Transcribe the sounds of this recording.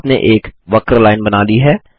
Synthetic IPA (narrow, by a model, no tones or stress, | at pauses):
nḛʔeːkʋɐkɾlaːɪnbɐnaːliɦɛː